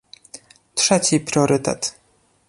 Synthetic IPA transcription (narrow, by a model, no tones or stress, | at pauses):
tʂɛt͡ɕipɾʲjɔɾɘt̪ɛ̰t̪